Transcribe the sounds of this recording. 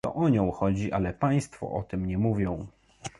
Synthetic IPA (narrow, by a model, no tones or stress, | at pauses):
t̪ɔ̰ʔɔɲɔ̃w̃xɔd͡ʑiʔalɛpaj̃st̪fɔ̰ʔɔt̪ɘmɲɛmuvʲjɔ̃w̃